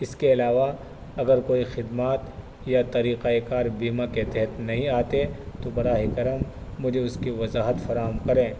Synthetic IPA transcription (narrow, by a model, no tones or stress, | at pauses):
ɪskeɪlaːʋa | ɐɡəɾkoːixɪd̪maːt̪ | jat̪ɐɾiːqaekaːɾbiːmaket̪ɛɦət̪nɐɦĩaːt̪et̪obɐɾaːɦɪkɐɾəmːʊd͡ʒʱeʊskiʋɐzaːɦət̪fɐɾaːɦəmkɐɾẽː